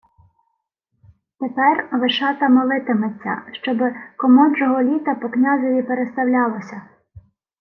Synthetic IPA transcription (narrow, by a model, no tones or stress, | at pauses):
t̪epɛrʋɪʃɑt̪ɐmɔlˠɪt̪ɪmet͡sʲːɐ̰ʃt͡ʃɔbɪkɔmɔnʒɔɦɔlʲit̪ɐpɔknʲazɔʋʲipeɾest̪ɐwlʲɑlˠɔsʲɐ